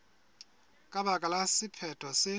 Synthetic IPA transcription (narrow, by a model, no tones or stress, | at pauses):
kʼaɓakʼalasipʰɛtʰɔsɪ